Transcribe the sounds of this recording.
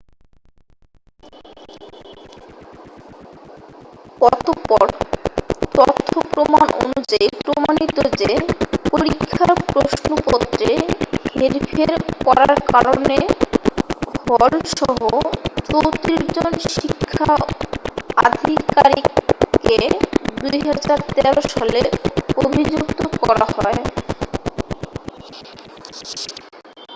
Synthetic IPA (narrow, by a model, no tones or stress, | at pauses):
kɔɾt̪opɔɾ | t̪ɔɾt̪ʰːopɾomanʔo̰nud͡ʑaipɾomanit̪od͡ʑepoɾikʰːapɾoʃnopɔt̪ːɾeheɾfʰeɾkɔɾaɾkaɾone | hɔlʃɔɦot͡ɕowt̪ɾid͡ʑonʃʃikʰːa | ad̪ʱikaɾiked̪ujɦad͡ʑaɾt̪ɛɾoʃaleobʱid͡ʑukt̪okɔɾa̰hɔe